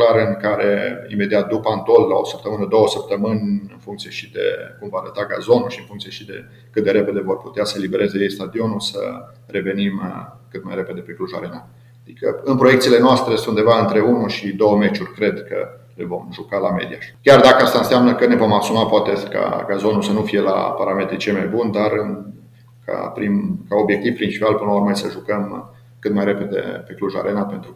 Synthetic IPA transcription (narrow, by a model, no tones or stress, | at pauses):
klaɾɨŋkaɾḛḭme̞d̪iat̪̚d̪upant̪olla̰o̞səpt̪əmɨnəd̪o̞wəsəp̚t̪əmɨnʲɨnfuŋkt̪sije̞ʃid̪e̞̰kumvaːɾət̪aɡa̰zo̞nulʃiɨnfuŋkt̪sije̞ʃid̪e̞̰ | kɨt̪d̪e̞ɾe̞pe̞d̪e̞vo̞rpu̥t̪easəlibe̞ɾʔe̞zejejst̪ad̪io̞nulsə̰ | re̞ve̞nim | kɨt̪majɾe̞pe̞d̪e̞pekluʒa̰ɾena | ad̪ikə̰ɨnpɾo̞jekt̪sile̞noast̪ɾesund̪evaɨnt̪ɾe̞unuʃid̪o̞wəmet͡ʃurʲkɾe̞d̪kə̰ | levo̞mʒukalame̞̰d̪ijakʲard̪akəast̪aɨnseamnəkəne̞vo̞masumapoat̪e̞ka̰kazo̞nusənufije̞la̰paɾame̞t̪ɾit͡ʃiemajbund̪arɨn | kʰa̰pɾimkao̞bje̞k̚t̪ivpɾint͡ʃipialpɨnlaurmasəʒukəm | kɨt̪majɾe̞pe̞d̪e̞̰pe̞kluʒa̰ɾe̞nape̞nt̪ɾu